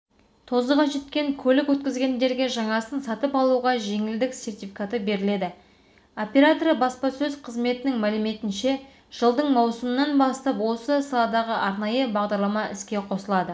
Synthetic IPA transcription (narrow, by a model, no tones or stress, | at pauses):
t̪ʰo̞zəʁɑʒe̞t̪kʲe̞ŋkʲʰɵlɪkwɵt̪̚kʲɪzɡʲe̞nd̪e̞ɾɡʲe̞ʒɑɴɑsənsɑt̪əpɑlˠuʁɑʒe̞ŋɪld̪ɪkse̞rt̪ijfʲikat̪əbe̞ɾɪle̞d̪ɪ | o̞pʲeɾat̪oɾəbɑspɑsɵzqʰəzme̞t̪ɪnɪŋmælɪme̞t̪ɪnʃe̞ | ʒ̥əlˠd̪əɴmɑwsəmənɑnbɑst̪ɑpwo̞səsɑlˠɑd̪ɑʁəʔɑɾnɑjəbɑʁd̪ɑɾlˠɑmɑʔɪskʲe̞qʰo̞səlˠɑd̪ə